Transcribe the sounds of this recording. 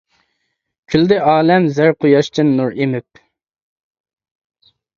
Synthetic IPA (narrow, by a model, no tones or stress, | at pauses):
kʲʰyld̪ɪʔɑːlɛmzæɾqʰojɑʃt͡ʃʰɪnːuɾimɪp̚